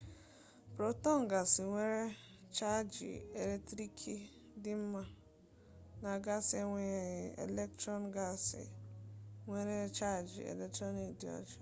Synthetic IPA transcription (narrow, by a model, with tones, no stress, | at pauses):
pɾo˨tɔ˦ŋ˨ɡa˨sɪ˨ŋʷe˦ɾe˦ | t͡ʃa˦d͡ʒḭ˨e˨le˦tɾi˦kʰi˦ | dɪ˦m̩˦ma˦ | na˨ɡa˦se˦ŋʷe˨ɣɪ˨ḛ˨le˦ktɾɔ˦nɡa˨sɪ̰˨ | ŋʷe˦ɾe˦t͡ʃa˦˨d͡ʒḭ˨ḛ˨le˨k̚tɾɔ˦ni˨kdi˨ɔ̰˦d͡ʒḁ˨